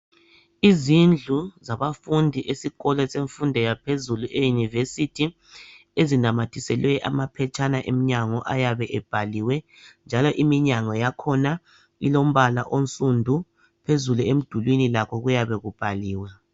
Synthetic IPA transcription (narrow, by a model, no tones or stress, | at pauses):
izind͡ɮʱuzaβafundʱiʔesiɣɔlɛseɱfundʱɛjapʰezuluʔejunivesitʰi | ezinamatʰisɛlwɛʔa̰mapʰɛt͡ʃʼʰanaʔemiɲaŋɔʔajaβɛʔɛb̥ʱaliwɛ | nd͡ʒʱalɔʔimiɲaŋɔjakʰɔna | ḭlom̩βala̰ʔont͡sʼundʱu | pʰezuluem̩d̥ʱulwinilakʰɔɣujaβɛɣub̥ʱaliːwa